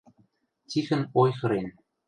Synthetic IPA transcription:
tʲixɘ̆nojxɤ̆ɾen

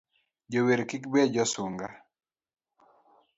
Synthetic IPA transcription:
d͡ʒoweɾkikbɛd͡ʒɔsʊŋɡa

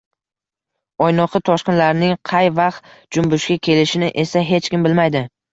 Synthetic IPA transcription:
ɒjnɒqʰɨt̪ʰɒʃqɨnlaɾnɪŋqʰɑjvɑχt̪d͡ʒʊmbʊʃkʲakʲʰe̞lɪʃɪnɪʔe̞saɦe̞t͡ʃkʲɪmbɪlmajd̪ɪ

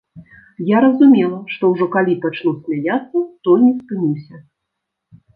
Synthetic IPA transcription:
jaɾɐzumʲɛlˠɐʂt̪ɔwʐɔkalʲipat͡ʂlˠɔsʲmʲajʲat̪sːɐt̪ɔjnʲɛspɨnʲiwsʲɐ

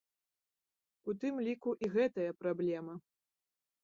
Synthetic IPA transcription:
ut̪ɨmlʲikuʔiɣɛt̪ɐjɐpɾablʲɛmɐ

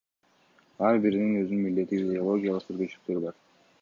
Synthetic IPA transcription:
ɑɾbiɾininø̞zynynmild̪e̞t̪ːiɡid̪eo̞lˠo̞ɡʲijalˠəqt̪ʰyɾɡøt͡ʃyyk̚t̪ø̞ɾibɑɾ

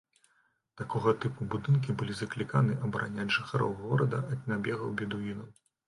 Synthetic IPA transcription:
t̪akɔɣɐt̪ɨpubud̪ɨnk̬ʲibɨlʲizɐklʲikanɨʔɐbɐɾʔa̰nʲaʐɨxaɾɔ̰wɣɔɾɐd̪ɐʔɐd̪ʲnʲabʲɛɣɐwbʲɛd̪uinɐw

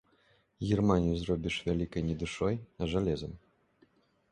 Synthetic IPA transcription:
ɣʲirmanʲijuzrɔbʲiʂvʲalʲikɐjnʲɛd̪ɨʂɔjɐʐalʲɛzɐm

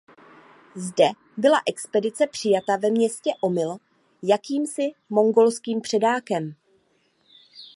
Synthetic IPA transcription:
zdɛ | bɪlaʔɛkspɛdɪt͡sɛpr̝̥ɪjat̪avɛmɲɛscɛʔo̞mɪl | jakiːmsɪmo̞ŋɡo̞lskiːmpr̝̥ɛdaːkɛm

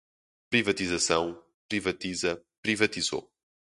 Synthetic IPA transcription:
pɾivɐt̪izɐsɐ̃w̃ | pɾivɐt̪izɐpɾivɐt̪izo̰

